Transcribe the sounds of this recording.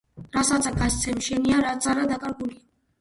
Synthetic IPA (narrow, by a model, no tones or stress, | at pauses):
ɾasat͡sʼakʰast͡s̪ʰɛmʃɛniaɾat͡s̪ʼaɾad̪akʼaɾɡuli